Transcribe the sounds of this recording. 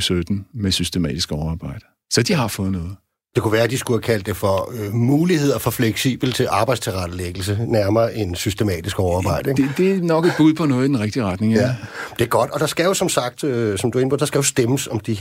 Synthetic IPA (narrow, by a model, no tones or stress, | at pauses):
sød̥n̩mesysd̥emɛ̰ːd̥isɡ̥ɒʊɑ̈ːb̥ɑ̈ɪ̰d̥ɐ | sɒd̥iɦɑ̈fɔ̽ːð̩ˠnɔ̽ːð̩ˠ | d̥e̝kʰuʋæːɐæd̥isɡ̥uhækʰæl̰d̥ːefɒmuːlihe̝ð̞̰ˠɐfɒ̽fleɡ̥sḭːb̥l̩t͡sʰe̝lʔɑ̈ːb̥ɑ̈ɪdst͡sʰe̝lʁad̥əleɡ̥l̩s̬ənæɐmɐːʔe̝nsysd̥emɛ̰ːd̥isɡ̥ɒʊɑ̈ːb̥ɑ̈ɪ̰d̥əeŋed̥e̝nɒ̽ɡ̥ed̥̚b̥uð̰ˠpʰɒ̽nɔ̽ːð̩ˠid̥enʁɛɡ̥d̥iʁad̥ne̝ŋæd̥e̝æɐɡ̥ɒ̽d̥ɒ̽d̥ɑ̈sɡ̥æjo̝sɒ̽msɑ̈ɡ̥̚d̥øsɒ̽md̥ue̝nb̥o̰d̥ɑsɡ̥æjo̝sd̥eməsɒ̽md̥i